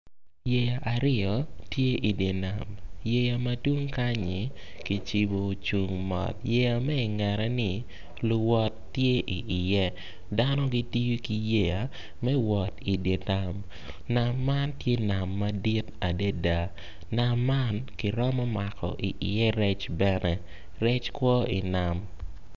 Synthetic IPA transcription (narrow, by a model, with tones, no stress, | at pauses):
je˨ja˨ʔa˨ɾɪ˦ɔ˨tje˦ʔi˨dje˨na˨mje˨ja˨ma˦twu˦ŋka˦ɲɪ˨ | ki˨t͡ʃi˨bo˨t͡ʃu˨ŋmɔ̰˨t̚je˨ja˨mɛ˦ɪ˨ŋɛ˨ɾɛ˨nɪ˨ | lʊ˨wɔ˦tːje˦ʔi˨ʔːjɛ˦ | da˦nɔ˦ɡi˦ti˦ju˦ki˨je˦ja˨ | mɛ˦wɔ˨ti˨dje˨ta˨m | na˨mːa˦ntje˦na˨mːa˦di˦ta˨de˦da˨ | na˨mːa˦nkɪ˨ɾɔ˦mɔ˦ma˨kɔ̰˨ʔi˨ʔɪ˨jɛ˦ɾɛ˦t͡ʃbɛ˦nɛ˦ | ɾɛ˦t͡ʃkwɔ˦ḭ˨na˨m